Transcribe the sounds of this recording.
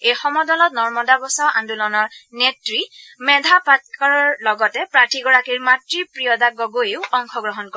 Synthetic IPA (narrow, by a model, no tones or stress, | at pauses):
ejxɔmɔdɔlɔt̚nɔɹmɔdabɔsaʊʔandulɔnɔɹnetɹimɛdʱapatkaɹɔɹlɔɡɔtɛpɹatʰiɡɔɹakiɹmatɹipɹijɔdaɡɔɡojiʊɔŋxʰɔɡɹɔɦɔnkɔ